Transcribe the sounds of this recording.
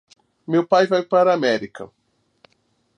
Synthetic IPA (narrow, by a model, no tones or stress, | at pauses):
mewpajvajpaɾɐamɛɾikɐ̰